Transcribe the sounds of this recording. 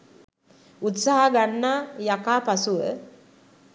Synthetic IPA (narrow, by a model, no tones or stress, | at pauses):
ut̪saɦaɡanːaːjakaːpasuʋə